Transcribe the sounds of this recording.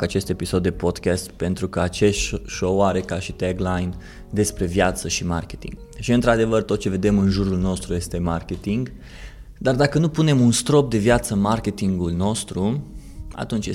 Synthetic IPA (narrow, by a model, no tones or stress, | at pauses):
kat͡ʃe̞st̪e̞piso̞d̪ːepo̞d̪kʲast̪pe̞nt̪ɾukəat͡ʃe̞sʃowaɾe̞kaʃit̪eɡlajn | d̪e̞spɾe̞vjat̪səʃima̰rkʲe̞̥t̪ḭŋɡ | ʃiɨnt̪ɾad̪e̞vərt̪ot̪̚t͡ʃe̞ve̞d̪e̞mɨnʒuɾulno̞st̪ɾuje̞st̪e̞markʲe̞t̪iŋɡ | d̪ard̪akənupune̞munst̪ɾo̞p̚d̪e̞vjat̪sənmarkʲe̞t̪iŋɡulno̞st̪ɾu | a̰t̪unt͡ʃje